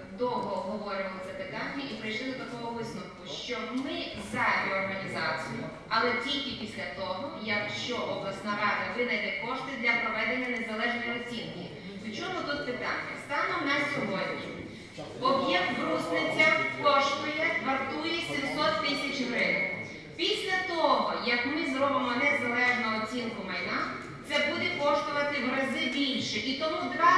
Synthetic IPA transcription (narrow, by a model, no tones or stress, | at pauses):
d̪ɔɦɔɦɔʋɔɾʊʋɐlˠɪzɐpɪt̪ɑnʲːɐʔipɾɪjʃlˠɪd̪ɔt̪ɐkɔɦɔʋɪsnʊwkʊʃt͡ʃɔbmɪ | zɐdʲeɔrɦɐnʲizɑt͡sʲijʊ | ɐlˠɛtʲilʲkɪpʲisʲlʲɐt̪ɔɦɔjɐkʃt͡ʃɔʔɔblˠɐsnɐʋɑt̪ɪʋɪd̪ɐjd̪ɛkɔʃt̪ɪd̪lʲɐpɾɔʋɛd̪enʲːɐnezɐlˠɛʒnɔjiɔt͡sʲinkɪ | ɪt͡ʃɔmʊt̪ut̪̚pɪt̪ɑ̰nʲːɐst̪ɑnɔnɛsʲɔɦɔdʲnʲi | ɔbjɛkt̪ʋɾuznɪt͡sʲɐkɔʃt̪ɔjɛʋɐrt̪ujɛsʲimsɔt̪ːɪsʲɐt͡ʃɦɾɪn | pʲisʲlʲɐt̪ɔɦɔjɐkmɪzɾɔbɪmɔnɛzɐlˠɛʒnɐɔt͡sʲinkʊmɐjna | t̪sɛbud̪ɛkɔʃt̪ɔʋɐt̪ɪɦɾɐzɪbʲilʲʃɛʔit̪ɔmud̪ʋa